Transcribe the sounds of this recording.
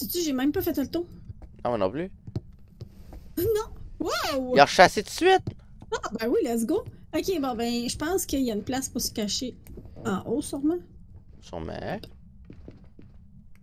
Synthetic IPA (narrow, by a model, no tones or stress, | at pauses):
sit͡syʒemɛ̃mpafɛt̪ɛlt̪ɔ̃nɔ̰̃nɔ̰̃ply | nɔ̃wawjɔʁʃaset̪u̥sɥɪt̪̚ | abɛwilɛs̬ɡoɔkʲebɔ̃bɛ̃ʒəpɑ̃skʲəijaynplaspʊʁsə̥kʲaʃeɑ̃ʔosuʁmãsṵʁmã̰